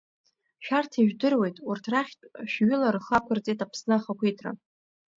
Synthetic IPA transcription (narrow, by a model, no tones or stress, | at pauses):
ʃᶣartʰiʒᶣdɨrwe̞jtʼurtʰraχʲtʼʃᶣɥʏlarχakʷʰɨrt͡sʼejtʼapʰsnɨχakʷʰitʰra̰